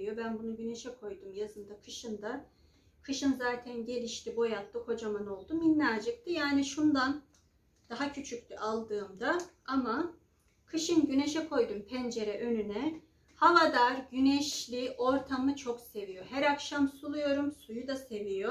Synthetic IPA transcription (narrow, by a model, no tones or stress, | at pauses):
ijo̞bænbunuɟyne̞ʃɛkʰo̞jd̪umjazɯnd̪akʰɯʃɯnd̪a | kʰɯʃɯnzaːt̪ʰænɟe̞lʲiʃt̪ibo̞jat̪lˠɯhʰo̞d͡ʒamano̞lˠd̪uminːʲaːd͡ʒɯk̚t̪ʰɯjaːniʃund̪an | d̪̥aɦacʰyt͡ʃʰyc̚t̪ʰyʔalˠd̪ɯːmd̪aama | kʰɯʃɯnɟyne̞ʃɛkʰo̞jd̪umpʰɛnd͡ʒe̞ɾɛʔønynɛ | havad̪aɾɟynɛʃlʲiʔo̞ɾt̪ʰamɯt͡ʃʰo̞kse̞vijo̞ɦæɾakʃamsulˠujo̞ɾumsujud̪ase̞vijo̞